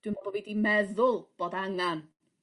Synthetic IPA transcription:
d̥wɨnabɔvidimɛðʊlˠb̥oːdaŋan

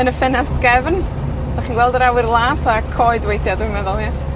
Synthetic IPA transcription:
ənəfɪnastɡ̥ɛvn | d̥aχiːnɡwɛlˠdəɾawɪrlˠaːsakʰɔɨdwejθjadəmɛðɔlˠja

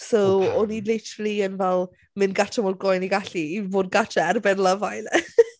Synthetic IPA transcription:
soɔnilɪtʰəɾəlˠiənvɛlˠ | mɪnɡatʰamoːd̚ɡɔjniɡaɬiːvoːd̚ɡatʰaɛrbɛnlˠəvajl

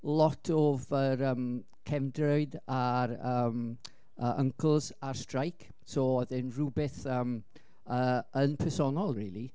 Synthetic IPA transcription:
lˠɔtʰɔvəɾəːm | kʰɛmdrɔɨdaɾəːm | əʔə̰ŋkʰlˠz̥arstrajkʰ | sɔɔðɪnrubɪθəm | əənpʰɛsɔnɔlˠriːlˠi

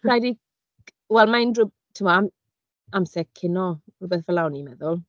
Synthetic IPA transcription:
rajdi | wɛlˠmaɪndrəb̚ | tʰɪmɔam | amsɛkkʰːɪnɔrʊbɛθvəlawnimɛðʊlˠ

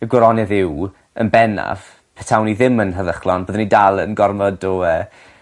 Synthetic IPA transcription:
əɡwəɾɔnɛðɪw | ə̰nbɛna̰v̥ | pʰɛtʰawniðɪmənɦəðəχlˠɔnboːðənidalˠə̰nɡɔrmɔdɔə

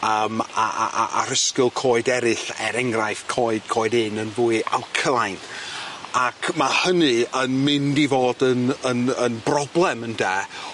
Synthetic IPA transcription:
əːma̰ʔa̰ɾəskɪlˠkʰɔːɨdɛɾɨθɛ̰ɾɛŋrajfkʰɔːɨd̥̚kʰɔːɨdɪnənvuːɨa̰wkʰəlˠajn | akʰmahənɨənmɪndivoːdənənənbrɔblˠɛməndɛː

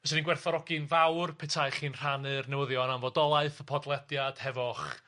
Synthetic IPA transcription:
əsəninɡwɛrθɔɾɔɡɨnvawrpʰɛtʰaɨχiːnr̥anɨrnɛwəðjɔnamvɔdɔlˠaɨθəpʰɔdlˠɛdjad̥hɛvɔχ

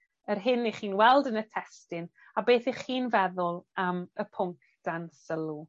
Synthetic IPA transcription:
ərɦɪnːiχiːnwɛlˠdənətʰɛstɪn | abeːθɪχiːnvɛðʊlˠəməpʰʊŋk | d̥ansəlˠu

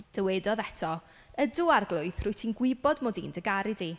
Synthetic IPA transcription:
d̥əwɛdɔðɛtʰɔ | ədʊarɡlˠʊɨθrʊjtʰinɡwɪbɔdmoːdḭːndəɡaɾɨdi

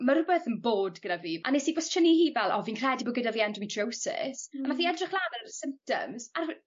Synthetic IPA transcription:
maɾʊbəθənboːdɡədaviːa̰nesibɔstʰənihiːvɛlˠɔ̰viːnkʰr̥ɛdibɔɡədaviːɛndɔmitʰr̥owsɪ̰smaθiɛdrɪχlˠaːnərsɪmp̚tə̰mzar

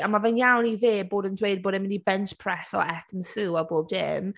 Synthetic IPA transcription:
amavɛnjawniðeːboːdəndwejd̚boːdɪmɪ̃ndibɛnt͡ʃpʰr̥ɛsɔ̰ɛkʰənsuːɔboːb̚dɪ̰m

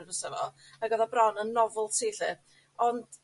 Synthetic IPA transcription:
nəsɛvɔ | aɡɔðɔbrɔnənːɔvʊlˠtʰiːɬɨ | ɔnd̥

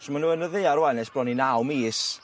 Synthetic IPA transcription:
ʃəmanuːənəðejaɾwanɛsb̥rɔninawmiːs

